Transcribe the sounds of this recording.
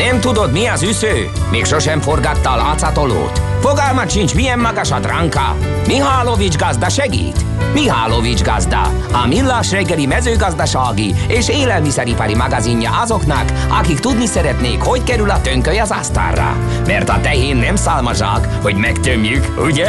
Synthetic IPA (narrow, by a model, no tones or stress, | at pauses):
nɛmt̪ud̪o̞d̪miɒzysøː | meːkʃo̞ʃɛɱfo̞rɡɒt̪ːɒːlɑːt̪sɑt̪o̞lo̰ːt̪ | foɡɒlmɒt̪ʃint͡ʃmijɛmːɒɡɒʃɒd̪rɑŋkɑ̰ | miɦaːlovid͡ʒɡɒzd̪ɑʃɛɡḭːt̪ | miɦaːlovid͡ʒɡɒzd̪ɒ̰ | ɒminlːaːʃrɛɡːɛlimɛzøːɡɒzd̪ɒʃaːɡieːʃeːlɛlmisɛɾipɒɾimɒɡɒziɲːɒ̰ʔɒzo̞knɒkɒkikt̪ud̪nisɛɾɛt̪neːkho̞ckɛɾylɒt̪øŋkøjɒzɑst̪a̰ːrːɒ̰ | mɛrt̪ɒt̪ɛɦeːnːɛmsaːlmɒʒa̰ːk | ho̞ɟmɛkt̪ømjykuɟɛ